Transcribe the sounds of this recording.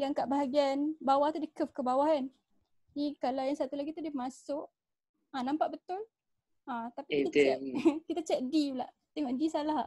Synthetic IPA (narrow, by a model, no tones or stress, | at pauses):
jaŋkaʔbaɦaɡianbawaht̪udikəfkəbawaɦan | dikalajaŋsat̪ulaɡit̪udimasʊʔ | ãnãmpaʔ̚bət̪ʊl | ãt̪apiit̪at̪ɛkit̪at͡ʃɛʔ̪̚dila̰ʔ | t̪ɛŋɔʔdisalaɦ